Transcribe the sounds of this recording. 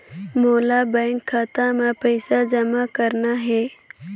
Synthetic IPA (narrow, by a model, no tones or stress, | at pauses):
moːlabɛ̃ːŋkʰːaːt̪ãmẽpəɪsad͡ʒɐmakəɾnaɦɛː